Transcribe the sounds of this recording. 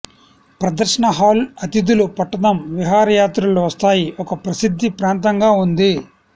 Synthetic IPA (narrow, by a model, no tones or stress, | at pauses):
pɾɐd̪ɐɾʂɐɳɐɦaːlɐt̪id̪ulupɐʈːɐd̪ɐmʋiɦaːɾɐjaːt̪ɾɐloʋɐst̪aːjiʔɔkɐpɾɐsid̪ʱːipɾaːnt̪ɐŋɡaːund̪i